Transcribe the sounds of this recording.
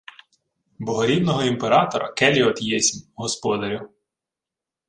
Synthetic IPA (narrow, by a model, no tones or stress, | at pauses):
bɔɦɔɾʲid̪nɔɦɔimpeɾɑt̪ɔɾɐ̰kɛlʲiɔt̪jɛsʲmʲɦɔspɔd̪ɐɾʲʊ